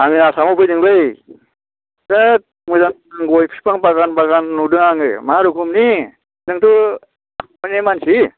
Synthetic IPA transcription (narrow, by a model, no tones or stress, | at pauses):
amiasamɔpʰɯjdɯŋbɯj | ɡat̚mɯzan | aŋɡɔjpʰi̥paŋbaɡanbaɡanːudɯŋaŋɯmaɾukʰumni | dɯŋtu | mɯnemansi